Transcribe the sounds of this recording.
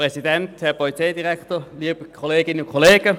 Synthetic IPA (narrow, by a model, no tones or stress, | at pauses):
ʁɛsidɛnthɛɐpʰɔlit͡seɪdiʁɛktoliːb̥əkʰoleːɡɪnəʊkʰoleːɡ̥ə